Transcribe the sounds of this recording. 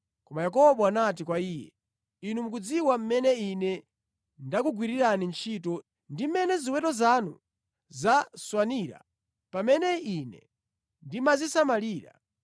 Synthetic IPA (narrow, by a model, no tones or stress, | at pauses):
kɔmajakɔɓɔanat̬ikwaiːjɛ̰ | inum̩k̬ud͡ziwam̩mɛnɛinɛ | ndakuɡwiɾiɾanint͡ʃʰitɔ | ndimmɛnɛziwɛtɔzanu | zaswaniɾa̰ | pamɛnɛinɛ | ndimazisamaliːɾa̰